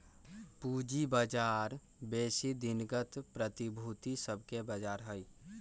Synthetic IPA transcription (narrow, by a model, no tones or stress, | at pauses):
puːd͡ʒibəd͡ʒaːɾ | beːsid̪ɪnɡət̪pɾət̪ibʱut̪isəb̚ʱkebəd͡ʒaːɾɦəi